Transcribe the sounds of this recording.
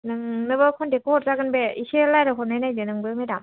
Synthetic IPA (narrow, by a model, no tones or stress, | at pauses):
nɯŋnɯbɯkʰɔndekɔɾzaɡɯnbeiselajɾɯɦɔɾnajnajdɯnɯŋbɯmedam